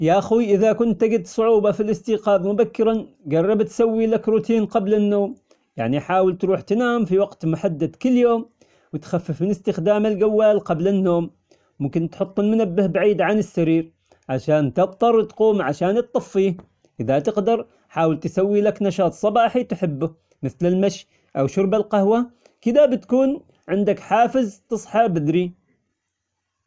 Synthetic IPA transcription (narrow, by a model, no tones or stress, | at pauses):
jaʔaxwiʔɪðakʊnt̪ːɪɡɪd̪sˤʊʕuːbɑfilʔɪst̪iːqɑːbmʊbakːɪɾɑn | ɡɑrˤːɑbt̪sawːilakɾʊt̪iːnqɑblɪnːoːm | ja̰ʕniħaːwɪlt̪ɾuːħt̪naːmfiwɑqt̪mʊħad̪ːad̪kʊlːjoːm | wɪt̪xafːɪfmɪnɪst̪ɪxd̪aːmalɡawːaːlqɑblɪnːoːm | mʊmkɪnt̪ħʊt̪ˤːɪlmʊnabːɪhbaʕiːd̪ʕanɪsːaɾiːɾ | ʕaʃaːnt̪ɪb̚t̪ˤɑɾˤt̪quːmʕaʃaːnt̪ˤːɑfːiːh | ʔɪðat̪ɪqd̪ɑɾˤ | ħaːwɪlt̪sawːilaknɑʃɑːt̪ˤsˤɑbɑːħit̪ħɪbːʊ | mɪθlɪlmaʃ | ʔawʃʊɾbalqahwa | kɪd̪abɪt̪kuːn | ʕɪnd̪akħaːfɪzt̪ɨsˤħɑbɪd̪ɾi